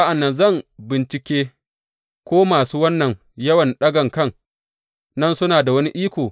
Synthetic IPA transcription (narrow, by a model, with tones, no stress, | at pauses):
a˦ʔa˨nːɐ˨nzɐ˦˨mbɪ˨nt͡ʃɪ˨kʲeː˦ | kʷoː˦maː˨suː˦wɐ˦nːɐ˨ŋ | jɐ˦wɐ˨nɗɐ˦ɡɐ˨ŋkɐ˦˨ŋ | nɐ˦nsʊ˦naː˨da˨wɐ˦ni˦ʔiː˦kʷoː˨